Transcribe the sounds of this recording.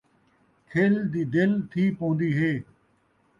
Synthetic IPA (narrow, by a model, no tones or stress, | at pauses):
kʰeːld̪iːd̪ɪlt̪ʰiːpõːnd̪iːɦeː